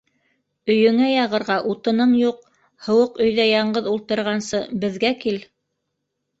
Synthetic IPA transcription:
ɵ̆jɵ̆ŋæjɑʁɤ̆ɾʁɑʔut̪ɤ̆nɤɴjuq̚ | hɤ̆wɤqɵ̆jðæjɑɴɢɤðulˠt̪ɤ̆ɾʁɑnsɤbɘ̆ðɡækil

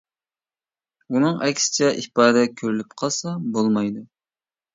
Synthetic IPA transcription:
unɨŋɛkʲsɪ̥t͡ʃʰɛʔipɑːd̪ɛkʲʰøɾylypqʰɑsɑbolˠmɑjd̪u

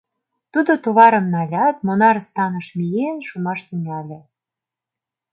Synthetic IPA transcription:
t̪ud̪ot̪uβɑɾɤ̆mnɑlʲɑt̪̚monɑɾst̪ɑnɤ̆ʃmijenʃumɑʃt̪iŋælʲĕ

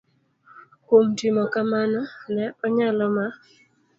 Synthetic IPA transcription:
komtimɔkamanɔnɛɔɲalɔma

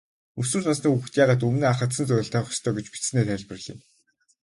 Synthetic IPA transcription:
ɵsŭːrɮnasniːuxt̪jaːʁaːt̪̬ɵmneːaχə̆t̪sə̆nt͡sœɾ̆ʲɬt̪ʰœwχɞ̆st̪ʰœːɡet͡ɕpi̥t͡s̆neːt̪ʰæɮpɘ̆rɮḭːn

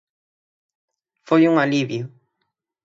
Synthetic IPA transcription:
fojuŋaliβjʊ

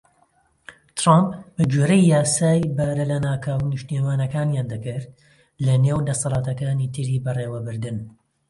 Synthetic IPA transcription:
t̪ɾampbɐd͡ʒoːɾɐjːaːsaːjbɐɾɐlɐnaːkʰawnɨʃt̪emaːnɐkaːnjaːnd̪ɐkɨɾt̪ | lɐneːwd̪ɐsɑlˠɑːt̪ɐkaːniːt̪ʰɨɾiːbɐrewɐbɨɾd̪ɨn

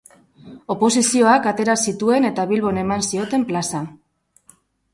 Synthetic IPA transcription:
o̞po̞sisio̞akat̪e̞ɾasit̪ue̞ne̞t̪aβilβo̞ne̞mansio̞t̪e̞mplasa

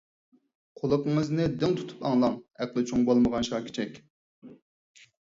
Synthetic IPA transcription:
qʰolˠʊqəŋɨznɨd̪ɪŋt̪ʰu̥t̪ʰu̥pɑŋlˠɑŋæqlˠɪt͡ʃʰoŋbolˠməʁɑnʃɑːkʲʰi̥t͡ʃʰɛkʲ

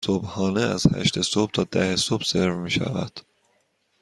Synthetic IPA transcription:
sobhɒːneæ̰z̥hæ̰ʃt̪ʰesob̥̚t̪ʰɒːd̪æhesobseɾvmiːʃæ̰væ̰d̪̥

